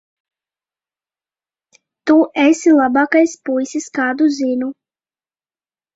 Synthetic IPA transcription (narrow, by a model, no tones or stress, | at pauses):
t̪uʔesilˠabɑːkajspujsiskaːd̪uzinu